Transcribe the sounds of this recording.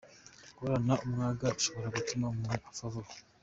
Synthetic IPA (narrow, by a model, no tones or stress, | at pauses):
koɾanaʔumuŋaɡauʃoβoɾaɡutumamiʔafavu